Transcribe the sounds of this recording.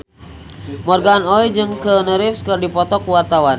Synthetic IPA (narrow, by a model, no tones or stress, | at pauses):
mɔrɡaːnɔid͡ʒɨŋkənəɾɪfskɨrdipɔt̪ɔkuwart̪awan